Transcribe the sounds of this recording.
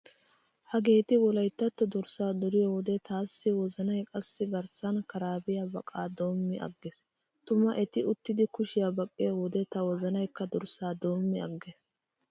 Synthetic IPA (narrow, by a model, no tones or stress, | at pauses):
hɐɡe̞ːt̪ɪwɔlɐjt̪ːɐt̪ːɔd̪ɔɾsaːd̪ɔɾɪjɔwɔd̪ɛt̪aːsːɪwɔzɐnɐjkʼɐsːɪɡɐɾsɐnkɐɾaːbɪjabɐkʼaːd̪o̞ːmːɪʔɐ̰ɡːɪs | t̪ʊmɐʔɛt̪ɪʊt̪ːɪd̪ɪkʊʃɪjabɐkʼːɪjɔwɔd̪ɛt̪ɐwɔzɐnɐjkːɐd̪ɔɾsaːd̪o̞ːmːɪɐ̰ɡːeːs